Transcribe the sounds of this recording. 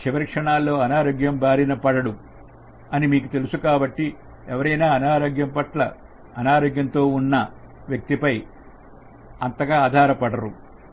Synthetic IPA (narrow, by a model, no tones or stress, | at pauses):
t͡ʃiʋɐɾkʂɐɳaːlːo̞ːɐnaːɾoːɡjɐmbaːɾinɐpɐɽɐɽu | ɐnimiːkut̪e̞lusukaːbɐʈːi | ɛʋɐɾɐjnaːɐnaːɾoːɡjɐmpɐʈlɐ̰ː | naːɾoːɡjɐnt̪o̞ːunːɐ | ʋjɐk̚t̪ipɐj | ɐnt̪ɐɡaːd̪ʱaːɾɐpɐɽɐɾu